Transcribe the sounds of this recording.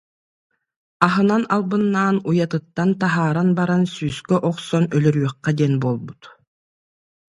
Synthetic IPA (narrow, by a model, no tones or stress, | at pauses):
aɦɯnanalˠbɯnːaːnujat̪ɯt̪ːant̪aɦaːɾanbaɾansyːskœʔɔqsɔnœlœɾyœχːad̪iɛnbuɔlˠbut̪